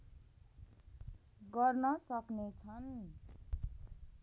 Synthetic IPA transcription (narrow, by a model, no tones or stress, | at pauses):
ɡʌrnʌsʌknet͡sʰʌn